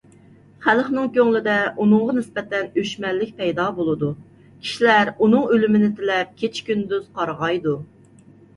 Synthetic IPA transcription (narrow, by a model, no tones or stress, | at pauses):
χælχnɨŋkʲøŋlɪd̪ɛʔunɨŋʁɑnɪsbɛt̪ɛnøʃmɛlːɪk̚ʲpɛjd̪ɑːbolˠɨd̪u | kʲʰi̥ʃilæɾunɨŋølymɪnɪt̪ʰɪlɛp̚kʲʰet͡ʃʰkʲynd̪yz̥qʰɑɾʁɑjd̪u